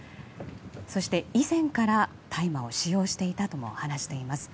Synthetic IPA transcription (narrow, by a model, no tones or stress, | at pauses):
so̞ɕi̥t̪e̞izẽ̞ŋkaɾa | t̪ʰaimao̞ɕijo̞ːɕi̥t̪e̞it̪at̪o̞mo̞̰hanaɕi̥t̪e̞imasɨ̥